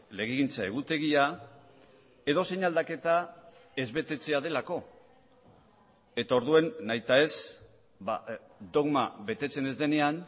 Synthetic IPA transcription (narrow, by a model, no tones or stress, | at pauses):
le̞ɣiɣint͡sae̞ɣ̞ut̪e̞ɣ̞ia | e̞ðo̞se̞ɲald̪ake̞t̪a | e̞zβe̞t̪e̞t͡se̞að̞e̞lako̞ | e̞t̪ao̞ɾðue̞nːajt̪ae̞s | ba̰ | d̪o̞ɣmaβe̞t̪e̞t͡se̞ne̞zd̪e̞ne̞an